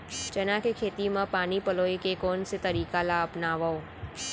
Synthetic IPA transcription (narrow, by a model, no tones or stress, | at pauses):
t͡ʃɐnakekʰeːt̪imãpaːnipɐloːikekoːnset̪ɐɾiːkalaɐpnaːʋao